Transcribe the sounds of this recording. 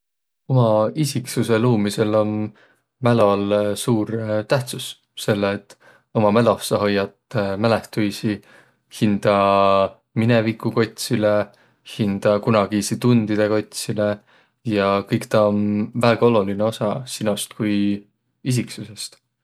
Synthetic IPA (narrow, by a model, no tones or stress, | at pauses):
omɑisiksuse̞luːmise̞lo̞n | mælolsuːɾt̪æht̪sus | se̞lːeːt̪ːˑ | o̞mɑmælofsɑɦo̞jːɑt̪mæle̞ht̪ujsi | hind̪̥ɑ | minevikːˑuko̞t̪ʲsile | hind̪̥ɑkunɑɡisit̪und̪̥id̪̥e̞ko̞t̪ʲsile̞ | jɑkɤjkt̪ɑonvæːɡ̥ɑo̞lulineo̞sɑsinost̪kuj | is̬iksuse̞st̪